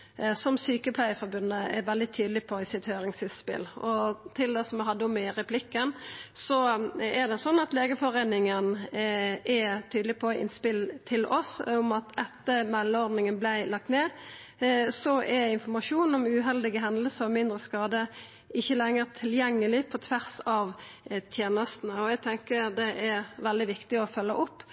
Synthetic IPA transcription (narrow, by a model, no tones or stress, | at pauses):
sɔmsyːkəpʰlæɪəfɔɾbʉnəɛɾʋɛld̪ɪt̪ʰyːd̪lɪpʰɔɪsɪt̪høːɾɪŋsɪspɪ̰lɔt̪ʰɪld̪ɛsɔmɛɦɑd̪ːəɔmɪɾɛpʰlɪkːənsɔɛʁd̪ɛsɔnːɑt̪leːɡəfɔɾeːnɪŋən | ɛt̪ʰyːd̪lɪpʰɔɪ̰nspɪlt̪ʰɪlɔsɔmɑt̪ɛt̪ːəmɛlːəɔʁd̪nɪŋənblæɪlɑk̚t̪meː | sɔʔɛɾɪnfɔmɑʂuːnɔmʉɦɛld̪ɪɡəɦɛnd̪əl̩səɔmɪnd̪ɾəskɑːd̪ə | ɪçːəlɛŋːəʁt̪ʰɪljɛŋːəlɪpʰɔt̪ʰʋæʁsɑʋt̪ʰjeːnəst̪nəɔæɡ̚t̪ʰɛŋkəɾd̪ɛʔæɾʋɛld̪ɪʋɪkt̪ɪɔfœlːəʔʊpː